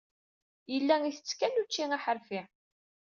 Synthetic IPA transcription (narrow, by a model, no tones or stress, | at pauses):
jəlːæŋiθə̥t͡sːkːænut͡ʃːiŋaħəɾfi